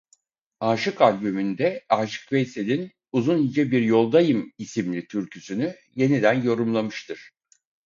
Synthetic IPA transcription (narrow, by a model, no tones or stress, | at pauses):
aːʃɯkalʲbymynd̪ɛaːʃɯ̥kvejselʲin | uzunhid͡ʒɛbiɾjo̞lˠd̪ajɯmisimlʲit̪ʰyɾcʰysyny | je̞nid̪ænjo̞ɾumlˠamɯʃt̪ʰɯɾ̥